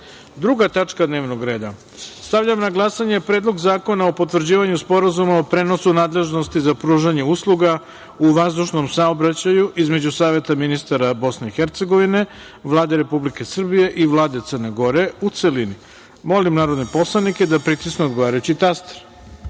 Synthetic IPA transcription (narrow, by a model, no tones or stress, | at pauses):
d̪ɾuɡat̪at͡ʂkad̪ne̞ːʋnoɡɾe̞ːd̪a | st̪aʋʎamnaɡlˠasaɲe̞pɾe̞ːd̪lˠo̞ɡzaːko̞naopo̞t̪ʋr̩d͡ʑiːʋaɲuspo̞ɾazumaopɾe̞no̞sunaːd̪leʒno̞st̪izapɾuːʒaɲe̞uslˠuɡa | uʋazd̪uʃno̞msaobɾat͡ɕajuʔizme̞d͡ʑusaːʋe̞t̪aminist̪aɾabo̞sne̞ixeɾt̪se̞ɡo̞ʋine̞ | ʋlˠaːd̪e̞ɾe̞publike̞sr̩bije̞ʔiʋlˠaːd̪e̞t̪sərne̞ɡo̞ɾe̞ut̪se̞lini | mo̞limnaːɾo̞d̪nepo̞slˠanike̞d̪apɾit̪isneod̪ɡo̞ʋaːɾajut͡ɕit̪ast̪e̥ɾ